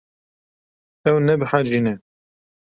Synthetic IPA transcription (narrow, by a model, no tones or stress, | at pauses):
ɛwnɛbɨħad͡ʒinɛ